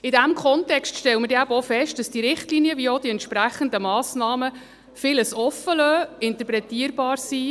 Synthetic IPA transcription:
ɪdæmkʰχɔntɛkstʃtɛləmədeæbəɔfɛʃt̚d̥ɑsd̥iɾɪχtliːniəʋiəɔd̥iɛnt̪ʃpɾæχəndəmɑːsnɑːmə | fɪləsɔfːəlœːɪnt̪əpɾɛtiːəɾbɑːɾsi

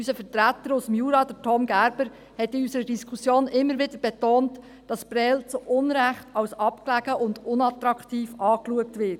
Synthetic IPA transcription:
ysəfəɾtɾætːəɾʊsəmjuːɾɑd̥ətʰɔmɡæɾbəɾ | hɛtiysəɾədiskʰusjoːnʔɪmːəɾʋɪdəɾb̥ɛtoːnt | d̥ɑsbɾɛlt͡soʔʊnɾæχtɑwsɑpklæɡ̥əʔʊndʊnɑtɾɑktiːfɑːkluək̚tʋɪt

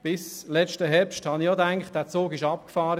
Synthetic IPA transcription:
b̥ɪslɛt͡ʃtəɦɛpʃthɑnijodæŋkχt̚d̥æːɐt͡soːɡɪʃɑp̚kfɑːɾə

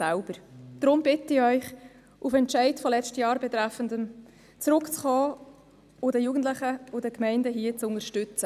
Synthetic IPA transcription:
ælb̥əɾd̪̥ɾʊmb̥ɪtəɪœʏχ | ʔufɛntʃɛɪdfɔlɛt͡ʃtəjɑːɾbɛt̪ɾæfəndəm | t͡sɾʊkt͡sχɔː | ʊdəjuɡən̩tlɪχəʊdəkmɛɪndəɦiət͡sʊŋəʃtʏt͡sə

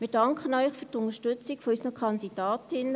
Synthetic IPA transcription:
miːd̥ɑŋkʰχənœʏχfyːɾtʊntəʃtøt͡sikfɔysənəkʰɑnd̥id̥ɑːtʰɪnə

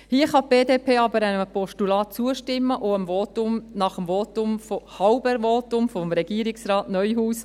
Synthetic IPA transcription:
hiəχɑb̥eːdeːpʰeːɑbəɾænəəpɔʃtulɑːt̚t͡suəʃtɪmːəʔoəmvɔːt̪ʊmnɑχəmvɔːt̪ʊmfohɑwbəɾʋoːt̪ʊmfɔmɾɛɡ̥iəɾiksɾɑːtnœʏhuːs

